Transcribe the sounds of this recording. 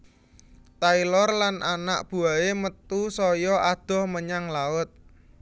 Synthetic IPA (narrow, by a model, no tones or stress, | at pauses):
t̪ailɔrlanʔana̰ʔb̥ṳaemət̪usɔjɔʔad̪̥ɔ̤hməɲaŋlaʊt̪̚